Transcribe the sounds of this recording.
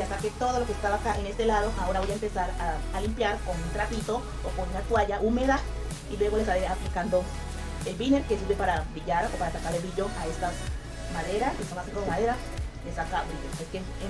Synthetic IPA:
ast̪aket̪o̞ð̞o̞lo̞kest̪aβakaʔene̞st̪elaðo̞ʔao̞ɾaβo̞jaempesaɾaːlimpjaɾkonunt̪ɾapit̪o̞ | okonunat̪waʝaʔumeða | ilwe̞ɣo̞le̞saeaplikand̪o̞ | elβine̞ɾkesiɾβepaɾabiʎaɾopaɾat̪akaɾeβiʝo̞ʔae̞st̪as | maðeɾaskesakaseŋkoomaðeɾa | lesakaβioeske | e

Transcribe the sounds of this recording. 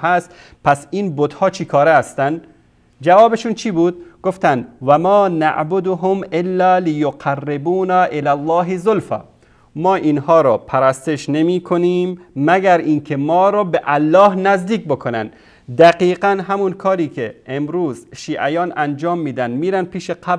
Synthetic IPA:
hæst̪ | pæsiːnbod̪hɒːt͡ʃʰikʰɒːɾeːst̪ænd̪ | d͡ʒævɒːbeʃuːnt͡ʃʰiːbuːd̪̚ɡ̥oft̪ænd̪væmɒːna̰ʔʕbod̪ʊɦomelːæːlɪjoqʰærːebuːnæʔelælˠˤːɒːɦezolfæ̰ | mɒːʔinhɒːɾɒːpʰæɾæst̪eʃnemiːkʰoniːmːæɡæɾiːnkʰemɒːɾɒːbeʔælːɒːhnæzd̪iːk̚bokʰonæ̰nd̪ | d̪æqiːqænɦæmunkʰɒːɾiːkʰeemɾuːzʃiːʔæjɒːnænd͡ʒɒːmːiːd̪ænd̪miːɾænd̪̚pʰiːʃeqʰæb

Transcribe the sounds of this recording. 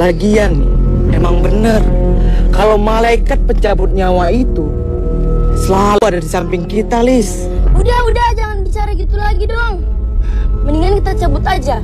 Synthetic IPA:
laɡianmemaŋbənərkalawmalaikat̪̚pəɲt͡ʃabʊt̪̚ɲawait̪u | səlaluadadisampɪŋkit̪alɪs | udahudahd͡ʒaŋanbit͡ʃaɾaɡit̪ulaɡidɔŋ | məniŋankit̪at͡ʃəbʊt̪ad͡ʒa

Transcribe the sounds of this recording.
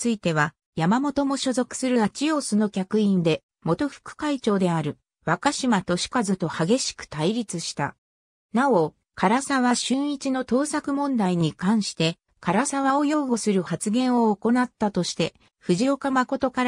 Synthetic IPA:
t͡sɨit̪e̞β̞a | jamamo̞t̪o̞mo̞ɕo̞zo̞kɯ̥sɨɾɯ̟at͡ɕijo̞ːsɨno̞kʲakɯ̟ĩnd̪e̞ | mo̞t̪o̞ɸɯ̟̥kɯ̟̥kait͡ɕo̞ːd̪e̞aɾɯ̟ | βakaɕimat̪o̞ɕi̥kazɨt̪o̞haɡe̞ɕi̥kɯ̟̥t̪aiɾʲit͡sɨɕi̥t̪a̰ | nao̞ | kʰaɾasaβaɕɨ̃ɰ̃it͡ɕino̞t̪o̞ːsakɯ̟mõ̞nd̪aiɲ̟ikãɰ̃ɕi̥t̪e̞ | kaɾasaβ̞ao̞jo̞ːɡo̞sɨɾɯ̟hat͡sɨɡẽ̞ɰ̃o̞ːko̞nat̪ːat̪o̞ɕi̥t̪e̞ | ɸɯ̟ʑio̞kamako̞t̪o̞kaɾ

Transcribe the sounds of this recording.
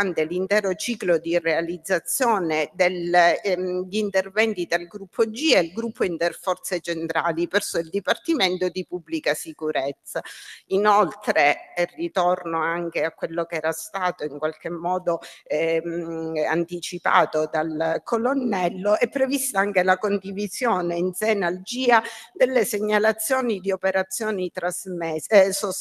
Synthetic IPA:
ant̪elint̪ɛːɾot͡ʃiːklod̪irealid̪zːat̪sːjoːned̪el | ʎːnt̪ervɛnt̪it̪ɾalɡɾupʰːod͡ʒiɛlɡɾupʰːoint̪erfɔrt̪set͡ʃent̪ɾaːlipɛrsoild̪ipart̪iment̪od̪ipubːlikasikuɾet̪sːainolt̪ɾeirːit̪ornoaŋk̟eakːwelːokɛːɾast̪aːt̪oiŋkwalk̟emːɔːd̪o | a̰nt̪it͡ʃipa̰ːt̪od̪alkʰolonːɛlːoɛpːɾevist̪aaŋkelakond̪ivizjoːneinsɛːnald͡ʒiːad̪elːeseɲːalat̪sːjoːnid̪iopeɾat̪sːjoːnit̪ɾazmeso

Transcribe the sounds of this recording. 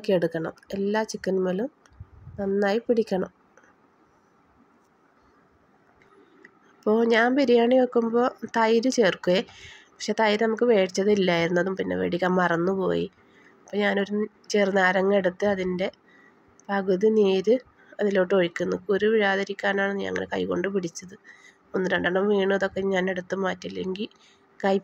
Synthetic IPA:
kːeeɽukːɐɳɐ̰me̞lːaːt͡ɕikːɐnmoːlumnɐnːaːjipiɽikʲːɐɳɐm | ɐpːo̞ːɲaːnpiɾijaːɳijokːumbo̞ːt̪ɐjɾɨt͡ɕeːrkuʋepɐkʂeːt̪ɐjɾɨnɐmukːɨʋe̞ːt͡ɕːɐðilːaːjiɾunːɐðumpinːe̞̰ʋḛɽikʲːaːnmɐrɐnːupo̞̰ːjḭ | ɐpːoːɲaːno̞ɾu | t͡ɕeːrnaːɾɐŋːe̞ɽut̪ːɨɐðinde̞ | pɐɣuðineːðɨ | ɐðilo̞ːʈːo̞ɻikʲːunːɐkːoɾuʋiɻaːðɐɾikʲːaːnaːɳɨɲɐ̰ŋːɐ̰ɭkɐ̰jko̞̰ɳɖɨpiɽit͡ɕːɐðɨ | onːiɾeɳɖɐɳːɐmʋiːɳɨɐðo̞kːe̞ɲaːne̞ɽut̪ːɨmaːtːilːeŋɡil | kɐj

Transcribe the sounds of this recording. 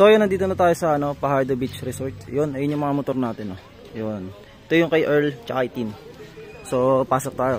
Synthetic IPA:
sojʊnːɐnd̪iːt̪onɐt̪aːjosɐʔɐno̞pɐhajd̪obit͡ʃɾɛsoɹt̪jonʔɐjonjʊŋmɐŋamot̪o̞ɾnaːt̪ɛno | jon | ɛt̪ojʊŋkɐjʔɛɹlt͡ʃɐʔajt̪in | so̞paːsok̚t̪aːjo

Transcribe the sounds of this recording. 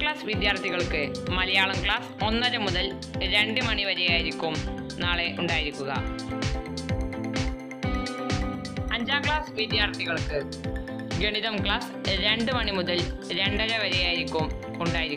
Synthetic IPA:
kɭaːsʋid̪jaːrt̪ʰiɣɐɭkɨmɐlɐjaːɭɐmkɭaːso̞nːɐɾɐmuðɐl | ɾe̞ɳɖɨmɐɳiʋɐɾɐjaːjiɾikʲːum | naːɭe̞ʔuɳɖaːjiɾikʲːuɣɐ̰ | ɐɲd͡ʑaːkɭaːsʋid̪jaːrt̪ʰiɣɐɭkɨ | ɡeɳiðɐmkɭaːsɾe̞ɳɖɨmɐɳimuðɐlɾe̞ɳɖɐɾɐʋɐɾɐjaːjiɾikʲːum | uɳɖaːjiɾikː

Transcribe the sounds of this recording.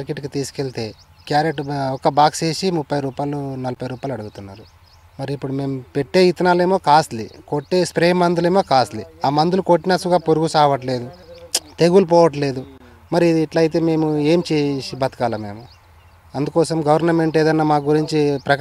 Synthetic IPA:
ɾkeʈkit̪iːsu̥keɭt̪e̞ː | kjaːɾeʈɔkɐbaːkt͡ʃe̞ːʃimupːɐjɾuːpaːjlunɐlɐpɐjɾuːpaːjluɐɽuɡut̪unːaːɾu | mɐɾiipːuɽume̞ːmupe̞ʈːe̞ːit̪ɐnaːle̞ːmo̞ːkaːst̪lḭkoʈːe̞ːspɾeːmːɐnd̪uleːmo̞ːkaːst̪liaːmɐnd̪ulukoʈːinɐsuɡaːpoɾuɡusaːʋɐʈ̬le̞ːd̪ut̪e̞ɡulp̬ɔːʋɐʈ̬le̞ːd̪u | mɐɾiid̪ːʈlɐjt̪̬e̞ːme̞ːmue̞ːmt͡ʃeːsibɐt̪ɐ̥kaːlɐme̞̰ːmu | ɐnd̪ukɔːsɐmɡɐʋɐɾnɐme̞ɳʈeːd̪ɐnːamaːkɡuɾiɲt͡ʃipɾɐk

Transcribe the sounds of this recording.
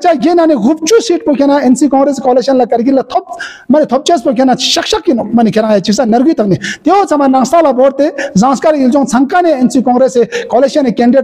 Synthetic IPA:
t͡ʃaɡʲenaniɣup̚t͡ʃusiːʈ̚pokʰʲenaensikɔ̃ːŋɡɾeskoːleʃɐnlakɐɾɡilat̪ʰob̚ | mɐnet̪ʰop̚t͡ʃespokʰʲenaʃɐkʃɐk̚kinmɐnikʰeɾãŋjat͡ʃiksanɐɾɡiːt̪ʰɐk̚nit̪eot͡sʰamannɐ̃ŋst̪ʰalaboːɾt̪ezãːskaɾild͡ʒõŋt͡sʰɐŋkaneensikɔ̃ːŋɡɾesekoːleʃiɐnekeːɳɖiɖ

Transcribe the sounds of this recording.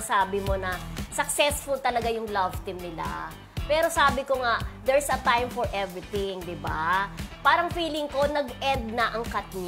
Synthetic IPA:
saːbɪmo̞nɐsɐk̚sɛsfʊlt̪ɐlɐɡajʊŋlɐvt̪ɪmnɪla̰ | pɛːɾo̞saːbɪkoŋaʔd̪ɛɹsɐt̪ãjmfoɹʔɛvɹɪt̪ɪŋd̪ɪba̰paːɾɐŋfiːlɪŋko̞nɐɡʔɛnd̪̚nɐʔɐŋkɐt̪̚ɲ

